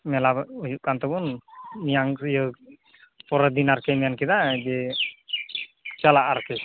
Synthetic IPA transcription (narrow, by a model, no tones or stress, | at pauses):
mɛlabujuʔkant̪ɔbɔnmijaŋjə | pɔɾɔd̪inaɾkɛmijankɛd̪ad͡ʒɛ | t͡ʃalaʔaɾkɛ